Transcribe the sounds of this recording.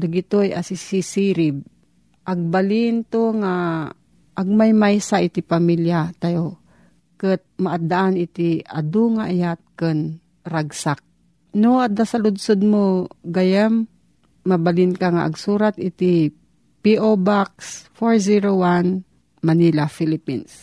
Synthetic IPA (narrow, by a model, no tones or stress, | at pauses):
d̪aɡɪt̪ojʔasisisiɾɪb̚ | ʔaɡ̚baliɪnt̪oŋa | ʔːɡ̚majmajsaʔɪt̪ɪpamiljat̪ajo | kət̪̚maʔad̪aʔanɪt̪ia̰d̪uŋaʔajat̪̚kən | ɾaɡsak̚ | noad̪asalʊd̪sod̪̚moɡajamː | abalɪnkaŋaʔa̰ɡsuːɾat̪ɪt̪i | piʔobaksfoɹziɾowan | manilafilɪpins